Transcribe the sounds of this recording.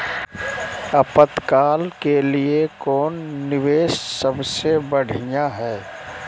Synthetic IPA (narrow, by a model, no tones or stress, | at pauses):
əpət̪kaːlkeliekɔːnːɪʋeːssəbsebəɽ̤ijaɦɛː